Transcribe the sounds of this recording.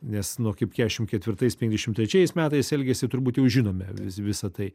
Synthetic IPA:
nʲɛsnuɔkɐɪpkʲæːɛʃʲɪmkʲɛt̪ʲʋʲɪɾt̪ɐɪsʲpʲɛŋʲɡʲzd̪ʲɛʃʲɪmt̪ʲɾʲɛt͡ʃʲɛɪsmʲæːt̪ɐɪsɛlʲɡʲɛsʲɪt̪ʊɾrbuːt̪jɛʊʒʲɪnoːmʲɛʋʲɪsʋʲɪsɐt̪ɐɪ

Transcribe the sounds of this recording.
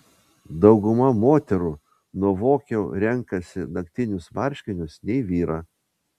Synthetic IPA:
d̪ɒʊɡʊmɐmoːt̪ʲɛɾu | nuɔʋoːkʲɛʊɾʲɛŋkɐsʲɪnɐkʲt̪ʲɪnʲʊsʋɐɾʲʃʲkʲɪnʲʊsnʲɛɪʋʲiːɾɑː

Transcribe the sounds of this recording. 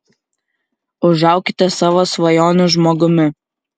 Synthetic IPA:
ʊʒɑˑʊkʲɪt̪ʲɛsɑːʋoːsʋɐjoːnuʒmoːɡʊmʲɪ

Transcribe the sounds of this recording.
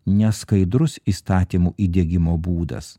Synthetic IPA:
nʲɛskɐɪd̪ɾʊsiːst̪ɑːt̪ʲiːmuːʔiːd̪ʲeɛɡʲɪmoːbuːd̪ɐ̰s

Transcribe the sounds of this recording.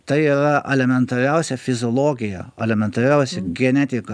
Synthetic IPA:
t̪ɐɪiːɾɐʔɛlʲɛmʲɛnt̪ɐɾʲɛʊsʲɛfʲɪzʲoːlˠoːɡʲɪjɛ̰ɛlʲɛmʲɛnt̪ɐɾʲɛʊsʲɛɡʲɛnʲɛt̪ʲɪkɐ

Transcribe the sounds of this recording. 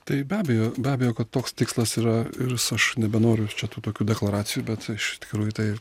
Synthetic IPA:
t̪ɐɪbʲæːbʲɛjoːbʲæːbʲɛjoːkɐt̪t̪oːkst̪ʲɪːkslˠɐsiːɾɐɪɾsɐʃnʲɛbʲɛnoːɾʲʊt͡ʃʲɛt̪uːt̪oːkʲuːd̪ʲɛklˠɐɾɑːsʲɪjuːbʲɛt̪ɪʃɪt̪ʲkʲɪkɾuːjut̪ɐɪ

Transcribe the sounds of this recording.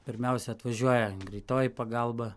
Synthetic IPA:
pʲɪɾʲmʲɛʊsʲɛɐt̪ʋɐʒʲuɔjɛɡɾʲɪt̪oːjipɐɡɑlˠbɐ

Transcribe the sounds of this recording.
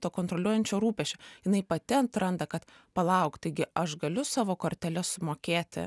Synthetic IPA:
t̪oːkoːnt̪ɾolʲuɔjɛnʲt͡ʃʲoːɾuːpʲɛʃʲoːjɪnɐɪpɐt̪ʲɛnt̪ɾɐnd̪ɐkɐt̪ | pɐlˠɐʊkt̪t̪ɐɪɡʲɪɐʃɡɐlʲʊsɑːʋoːkoːɾʲt̪ʲɛlʲɛsʊmoːkʲeːt̪ʲɪ̰

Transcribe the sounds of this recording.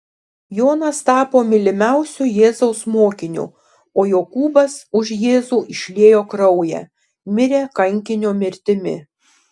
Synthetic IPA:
joːnɐst̪ɑːpoːmʲɪlʲɪmʲɛˑʊsʲʊjeːzɐʊsmoːkʲɪnʲṵ | oːjoːkuːbɐsʊʃjeːzuːʔɪʃʲlʲeːjoːkɾɐʊjɛ̰ː | mʲɪɾʲeːkɐŋʲkʲɪnʲoːmʲɪɾʲt̪ʲɪmʲɪ̰

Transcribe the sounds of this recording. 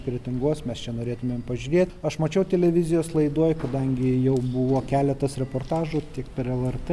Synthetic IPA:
kɾʲeɛt̪ʲɪŋɡoːsmʲɛst͡ʃʲɛnoːɾʲeːt̪ʊmʲeːmpɐʒʲuɾʲiɛt̪ʲɐʃmɐt͡ʃʲɛʊt̪ʲɛlʲɛʋʲɪzʲɪjoːslˠɐɪd̪uɔjkɐd̪ɐŋʲɡʲɪjɛʊbʊʋoːkʲæːlʲɛt̪ɐsɾʲɛpoːrt̪ɑːʒʊt̪ʲɪkpʲɛɾɛlˠɛrt̪

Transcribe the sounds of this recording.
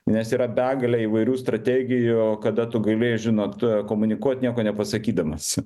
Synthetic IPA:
nʲɛsiːɾɐbʲæːɡɐlʲɛiːʋɐɪɾʲuːst̪ɾɐt̪ʲæːɡʲɪjʊkɐd̪ɐt̪ʊɡɐlʲeːjɛʒʲɪnoːt̪koːmʊnʲɪkuɔt̪ʲnʲiɛkoːnʲɛpɐsɐkʲiːd̪ɐmɐs

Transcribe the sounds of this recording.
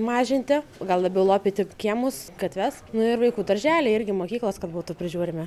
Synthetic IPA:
mɑːʒʲɪnʲt̪ʲɪɡɐlˠd̪ˠɐbʲɛʊlˠoːpʲiːt̪ʲɪkʲiɛmʊskɐt̪ʲʋʲɛsnʊɪɾʋɐɪkuːd̪ɐɾʲʒʲæːlʲeːɪɾʲɡʲɪmoːkʲiːklˠoskɐt̪buːt̪ʊpʲɾʲɪʒʲuːɾʲɪmʲɛ

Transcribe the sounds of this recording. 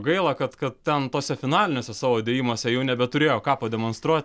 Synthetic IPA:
ɡɐɪlˠɑkɐt̪kɐt̪̚tʲɛnt̪oːsʲɛfʲɪnɑːlʲɪnʲoːsʲɛsɑːʋoːɐd̪ʲeːjiːmoːsʲɛjɛʊnʲɛbʲɛt̪ʊɾʲeːjoːkɑːpɐd̪ʲɛmoːnst̪ɾuɔt̪ʲ

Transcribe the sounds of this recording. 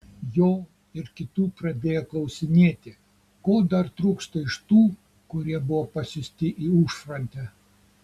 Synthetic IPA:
joː | ɪɾkʲɪt̪uːpɾɐd̪ʲeːjɛklˠɐʊsʲɪnʲeːt̪ʲɪ | koːd̪ɐɾt̪ɾuːkst̪ɐɪʃt̪uː | kʊɾʲiɛbʊʋopɐsʲʊsʲt̪ʲɪʔiːuːʃfɾɐnʲt̪ʲɛ

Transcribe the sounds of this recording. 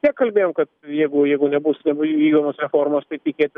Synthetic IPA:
t̪ʲiɛkːɐlʲbʲeːjoːmkɐt̪jɛɪɡʊjɛɪɡʊnʲɛbʊsnʲɛbʊʋʲiːɡd̪oːmoːsɾʲɛfoːɾmoːst̪ɐɪt̪ʲɪkʲeːt̪ʲɪ

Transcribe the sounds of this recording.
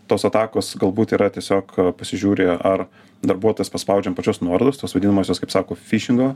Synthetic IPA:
t̪oːsɐt̪ɑːkoːsɡɐlˠbuːt̪iːɾɐt̪ʲiɛsʲoːkpɐsʲɪʒʲuːɾʲeːɐr | d̪ɐɾbuɔt̪oːjɛspɐspɐʊd͡ʒʲɛmpɐt͡ʃʲʊsnuɔɾod̪ʊst̪oːsʋɐd̪ʲinɐmoːsʲoːskɐɪpsɑːkoːfʲiʃʲɪŋɡoː

